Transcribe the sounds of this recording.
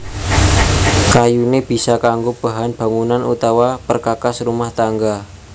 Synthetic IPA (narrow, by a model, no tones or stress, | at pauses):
kajuneb̥i̤sakaŋɡob̥a̤ɦanb̥a̤ŋunanṵt̪awapərkakasrumaht̪aŋɡa